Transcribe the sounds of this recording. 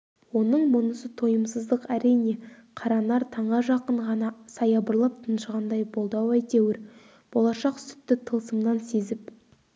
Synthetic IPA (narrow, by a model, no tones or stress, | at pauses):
wo̞nəɴmʊnəsət̪ʰo̞jəmsəzd̪əqæɾijne̞qʰɑɾɑnɑɾt̪ʰɑɴʁɑʒɑqəɴʁɑnɑsɑjɑbəɾlˠəp̚t̪ʰənʃʁɑnd̪ɑjbo̞lˠd̪ɑwæjt̪ewɪɾ | b̥o̞lˠɑʃɑqsʏ̥t̪ːɪt̪ʰəlˠsəmnɑnse̞zɪp̚